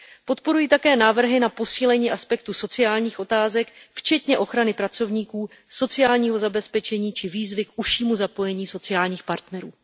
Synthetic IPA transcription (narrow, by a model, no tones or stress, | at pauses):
po̞t̪po̞ɾujiːt̪akɛːnaːvr̩ɦɪnapo̞siːlɛɲiːʔaspɛk̚t̪uso̞t͡sɪjaːlɲiːxʔo̞t̪aːzɛkft͡ʃɛt̪ɲɛʔo̞xɾanɪpɾat͡so̞vɲiːkuː | so̞t͡sɪjaːlɲiːɦo̞zabɛspɛt͡ʃɛɲiːt͡ʃɪviːzvɪkʔuʃiːmuzapo̞jɛɲiːso̞t͡sɪjaːlɲiːxpaɾt̪nɛɾuː